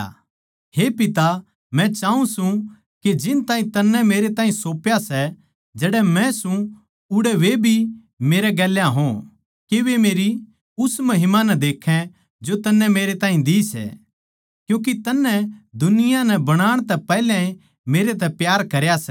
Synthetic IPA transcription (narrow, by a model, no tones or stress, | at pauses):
ɦepɪt̪a | mɛ̃t͡ʃaːũsũ | ked͡ʒɪnt̪ãːĩt̪ɐnːɛ̃meːɾet̪ãːĩsoːpjasɛ | d͡ʒɛːɽɛmɛ̃sũ | ʊɽɛʋebʱi | meːɾɛɡɛːljãɦõ | keʋemeːɾi | ʊsmɐɦɪmanɛd̪eːkʰːɛ̃ | d͡ʒot̪ɐnːɛ̃meːɾet̪ãːɦĩd̪iːsɛ̰ | kjũːk̬it̪ɐnːɛ̃d̪ʊnɪjanɛbɐɽ̃aːɽ̃t̪ɛpɛːlãe | meːɾet̪̬ɛpjaːɾkɐɾjasɛ